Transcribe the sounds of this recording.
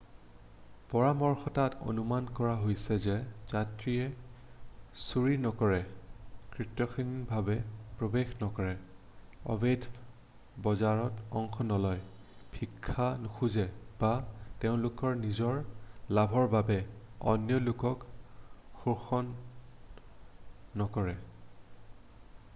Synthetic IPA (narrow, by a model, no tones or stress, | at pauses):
pɔɹamɔɹxɔtato̰numankɔɹaɦojsɛzɛzatɹiɛ | suɹinɔkɔɹɛkɹitɹɔxinbʱabɛpɹobexnɔkɔɹɛ | ɔ̰bedʰʱ | bɔzaɹɔtɔŋxʰɔnɔlɔj | bʱikʰːanuxʰuzɛb̥ateʊ̃lʊkɔɹnizɔɹlabʱɔɹbabɛɔ̰njɔlʊkɔk | xuxɔn | ɔkɔɹɛ